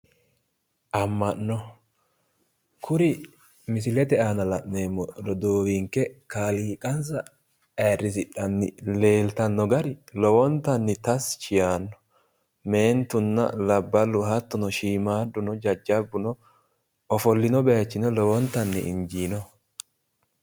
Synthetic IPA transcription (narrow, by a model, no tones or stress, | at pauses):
ʔɐmːɐnːɔ | kʰʊɾɪ | mɪsɪlɛt̪ɛaːnɐlɐʔne̞ːmːɔd̪ɔd̪oːwiːŋkɛkaːliːkʼɐns̬ɐ | ɛrːɪs̬ɪᶑɐnːɪle̞ːlt̪ɐnːɔɡɐɾɪlɔwɔnt̪ːɐnːɪt̪ɐst͡ʃɪjaːnːɔ̥ | me̞ːnt̪ʊnːɐ̰lɐbːɐlːʊɦɐt̪ːʊnɔʃiːmaːd̪ːʊnɔd͡ʒɐd͡ʒːɐbːʊnɔ | ɔfɔlːɪnɔbɛɐt͡ʃːɪnɔlɔwɔnt̪ɐnːɪ̰ɪnd͡ʒiːnɔ